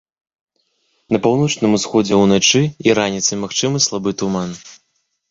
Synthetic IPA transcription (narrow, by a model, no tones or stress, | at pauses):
nɐpawn̪ɔt͡ʂnɨmusxɔd͡zʲɛwnat͡ʂɨiɾanʲit̪sɨmaxt͡ʂɨmɨslˠabɨt̪uman